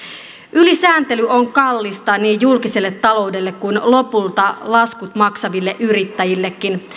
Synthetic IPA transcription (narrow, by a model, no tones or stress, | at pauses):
ʔylisæːnt̪e̞lyo̞ŋkɑlːist̪ɑniːjulkise̞lːet̪ːɑlo̞wde̞lːe̞kkujnlo̞pult̪ɑlɑskut̪mɑksɑʋilːe̞ʔyɾit̪ːæjilːekːin